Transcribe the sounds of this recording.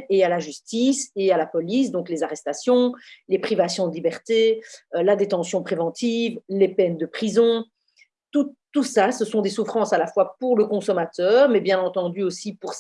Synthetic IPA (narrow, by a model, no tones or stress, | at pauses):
ealaʒyst̪isealapɔlis̬d̪ɔ̃klezaʁɛst̪asjɔ̃lepχivasjɔ̃d̪əlibɛʁt̪elad̪et̪ɑ̃sjɔ̃pχevɑ̃t̪iːvlepɛnd̪əpχizɔ̃ | t̪ut̪ːusasəsɔ̃d̪esufχɑ̃salafwapuʁləkɔ̃sɔmat̪œːʁmɛbjɛ̃nɑ̃t̪ɑ̃d̪yosipuʁs